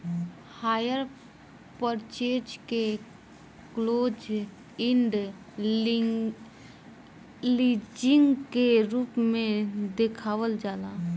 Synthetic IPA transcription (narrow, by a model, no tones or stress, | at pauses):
haːjəɾ | pəɾt͡ʃeːd͡ʒke | kloːd͡ʒ | ɪ̃ɳɖ | liːd͡ʒɪ̃ŋɡkeɾuːpmẽd̪ekʰaːwəld͡ʒaːlaː